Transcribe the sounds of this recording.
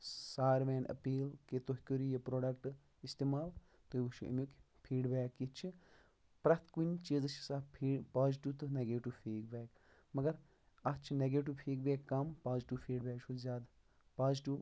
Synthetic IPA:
saːɾʋeːnɐ̰piːlket̪oɦkʲoɾijɐpɾoːɖɐkʈ | ist̪eːmaːl | t̪obut͡ʃʰuʔɐ̰mokʲ | pʰiːɖbeːkːit͡ʃʰi | pɾɐt̪ʰkunʲt͡ʃiːzɐt͡ʃʰi̥saːpʰiːpaːzʈuːt̪ɨneɡeːʈiʋfʰiːkbeːk | mɐɡɐɾ | ɐt͡ʃʰineɡeːʈ̬iʋpʰiːkbeːkːɐmpaːzʈupʰiːɽbeːkt͡ʃʰuzʲaːd̪ | paːzʈuː

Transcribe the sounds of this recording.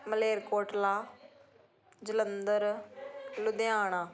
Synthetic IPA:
məleːɾkoːʈlaː | d͡ʒɪlənd̪əɾ | lʊd̪ɪjaːɽ̃aː

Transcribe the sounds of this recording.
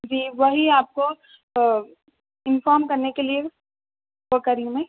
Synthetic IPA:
d͡ʒiːʋɐɦiaːp̚ko | ɪnfɔːɾmkɐɾnekelie | ʋokɐɾiũmɛ̃

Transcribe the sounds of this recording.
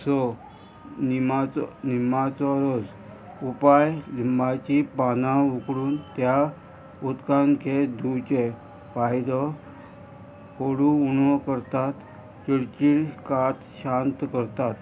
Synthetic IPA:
sɔ | nimat͡snimat͡sɔɾod͡z | upajlimbʱat͡ɕipanãukɽuːnt̪ja | ut̪kaŋked̪ʱut͡ɕe | pajd̪ə | koɽuunɔkəɾt̪at̪ | t͡ɕiɽt͡ɕiːɭkat̪ɕant̪kəɾt̪at̪

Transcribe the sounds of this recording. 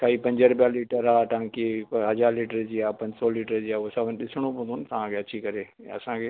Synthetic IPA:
kʰaːipɐ̃ɲd͡ʑəɾʊbjaliːʈəɾaːt̪ɐɦãkeɦɐd͡ʑaːɾliːʈəɾd͡ʑiːaːpɐ̃ɲd͡ʑsɔliːʈəɾd͡ʑiːasɐbʱənɗɪsɽ̃opə̃nd̪oʊnɪt̪ɐʋ̤ãkʰeɐt͡ɕʰikɐɾḛ̃ɐ̰sãkʰeː

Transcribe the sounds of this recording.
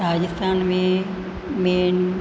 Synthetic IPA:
ɾaːd͡ʒəst̪ʰaːnmẽ | men

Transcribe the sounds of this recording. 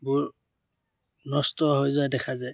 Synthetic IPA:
buɹ | nɔstɔɦojzʊadɛkʰazaj

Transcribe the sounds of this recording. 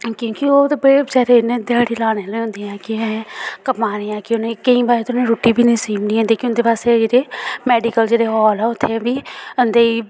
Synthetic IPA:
kjõːkioːt̪ːbəezɛːɾenẽd̪ɪaːɽiːlaːneːliːɦõnd̪iːãːkɪɛ̃kəpãːɾeːãːkɪʊnẽːkəĩːbaːɾet̪ʊnẽːɾoːʈiːbʱiːnə̃ĩːsiːmniːɦɛ̃nd̪iːkɪʊnd̪eːpaːst̪eːd͡ʒeːɽeːmɛːɖiːkəld͡ʒeːɽeːɦɔːlɛːʊt̪ʰːebiːənd̪eːiː

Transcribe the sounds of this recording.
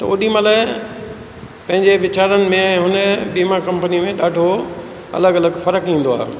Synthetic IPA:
t̪ɐo̰ːɗimala | pɐ̃ɦɪ̃ɲd͡ʑeʋɪt͡ɕaːɾənɪ̆mẽɦʊnəbiːmakɐ̃mpənimẽɗaːɖʱo | ɐ̰ləɡɐləɡfɐɾəkɦĩːn̆d̪oa̰ːɦe

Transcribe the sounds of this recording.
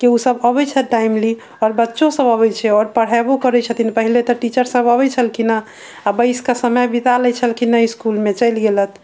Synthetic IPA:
kiusəbəbɛt͡ʃʰɛt̪̚ɖaimli | ɔːɾbətːʃõsəbəβɛjt͡ʃʰɛɔɾpəɽ̤abokəɾɛt͡ʃʰət̪inpəɦilet̪ɔʈit͡ʃəɾsəbəbɛt͡ʃʰəlkina | abəɪskasəməjbit̪aləjt͡ʃʰəlkinəiskulmet͡ʃəjlɡelət̪ʰ

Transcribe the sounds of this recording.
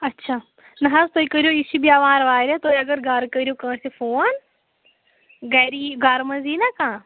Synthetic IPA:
ɐtːʃʰaː | nɐɦazt̪oːikəɾijoiʃibiaʋãːɾɐʋaːɾʲãt̪oːjɐɡɐɾɡaɾkəɾʲijokɐ̃ːɽsefoːn | ɡɛɾiɡaːɾmɐnziːnakãː

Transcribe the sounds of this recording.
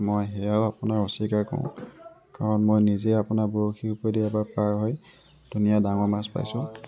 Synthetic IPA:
mojɦɛjaʊapʊnaɹosikaɹkɔ̰ʊ̰̃ | kaɹɔnmojnizejapʊnaɹbuɹokʰiupɔjdiabapaɹɦɔj | d̥unijadaŋɔɹmaspa̰jsʊ̃

